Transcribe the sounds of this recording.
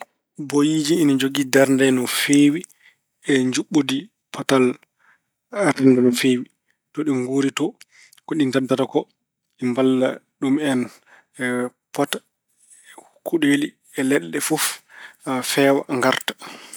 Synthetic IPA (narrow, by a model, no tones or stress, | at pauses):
bojid͡ʒiːnad͡ʒoɡidaɾndɛnɔfeːwi | ɛɲd͡ʒuɓːodi | pʰɔtal | ɾɛndɛnɔfeːwi | tɔɗinɡuːɾitɔ | kɔɗintadːatakɔ | ɗimbalːaɗumɛn | pɔtḁ | kuɗeli | ɛlɛɗːɛfɔf | fɛːwa̰ŋɡaɾtḁ